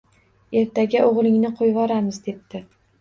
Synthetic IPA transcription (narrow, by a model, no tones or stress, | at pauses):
e̞ɾt̪ʰaɡʲaʔoʁlˠɪŋnɪqʰojvɒɾamɪzd̪e̞p̚t̪ɪ